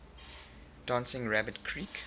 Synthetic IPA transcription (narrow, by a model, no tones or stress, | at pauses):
d̥ɑ̃nsɪ̃ŋɹæbədkʰɹiːk